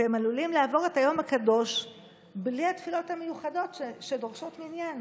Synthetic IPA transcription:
emalulimleavo̞ʁe̞thajo̞makado̞ʃ | bliatfilo̞thamejuχado̞tʃedoʁʃo̞tmiːnjan

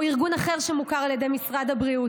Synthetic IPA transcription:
iʁɡunaχe̞ʁʃemukaʁaljed̪e̞jmisʁad̪abʁiu

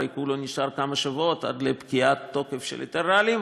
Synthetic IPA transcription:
ajkuloniʃaʁkamaʃavot̪ʔa̰d̪lepkiat̪ːo̞kefʃelḛt̪eʁalim

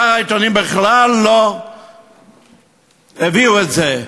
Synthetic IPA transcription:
aʁait̪onimbeχlalːo | eviuetze

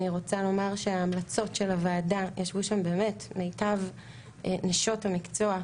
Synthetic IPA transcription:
niʁo̞t͡salo̞maʁʃeaːmlat͡so̞tʃe̞lavaːdajʔaʃvuʃambeːme̞tmejtav | neʃo̞tamikt͡soa

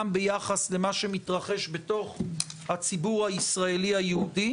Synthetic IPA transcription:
mbejaχasle̞maʃe̞mitʁaχe̞ʃbe̞to̞χhat͡sibuʁhaisʁaelihajehudi

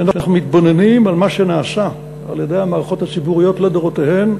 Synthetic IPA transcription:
anaaχnumit̪bo̞ne̞nimalmaʃe̞naːsa | a̰ljedejhamaːʁaχo̞thasibuʁijo̞tledoʁotehe̞m

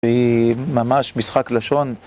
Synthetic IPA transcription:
eimamaʃmisχaklaʃo̞n

